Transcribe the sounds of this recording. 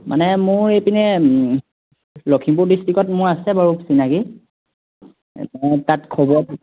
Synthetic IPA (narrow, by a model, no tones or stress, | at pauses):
mʔa̰nɛmʊɹejpinɛ | lokʰimpuɹdistikɔtmʊɹasɛbaɹupsinaki | mɔjtatkʰɔbɔ